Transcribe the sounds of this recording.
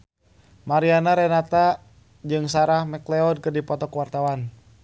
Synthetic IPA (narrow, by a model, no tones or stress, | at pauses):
maɾianaɾɛnat̪a | d͡ʒɨŋsaɾahmɛklɛɔd̚kɨrdipɔt̪ɔkwart̪awan